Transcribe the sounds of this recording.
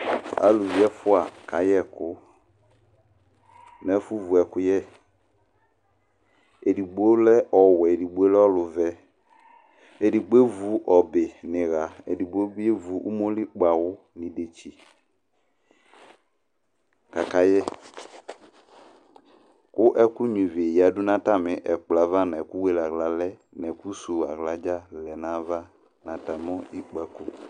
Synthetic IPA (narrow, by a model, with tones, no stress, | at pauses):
a̰˨˦lu˨vi˨˦ɛ˦fʊ˦a˨ka˨jɛ˦˨kʊ˦ | nɛ˨˦fu˦vu˨ɛ˨kʊ˦jɛ˦˨ | e˨di˨ɡ͡bo˦lɛ˦ʔɔ˨wɛ˨e˨di˨ɡ͡be˦lɛ˦ɔ˦lʊ˨vɛ˨ | e˨di˨ɡ͡be˦vu˨ʔɔ˨bɪ˨nɪ̃˨ɣa˨e˨di˨ɡ͡bo˦e˦vu˨ʔṵ˦mo˦li˦ɡ͡ba˨wʊ˦ | nɪ̃˨de˨t͡ʃi˨ | ka˨ka˦jɛ˦ | kʊ˦ʔɛ˦ku˦ɲũ˨vi˨ja˨dʊ˦nã˦ta˦˨mɪ˨ʔɛ˨k͡pla˨˦va˦nɛ˨ku˦we˦la˨ɣla˨lɛ˦ | nɛ˨ku˦su˨a˨ɣla˨˦d͡ʒa˦lɛ˨nã˨˦va˦ | nã˨ta˨m˦ɔ˦i˦k͡pa˨ku˦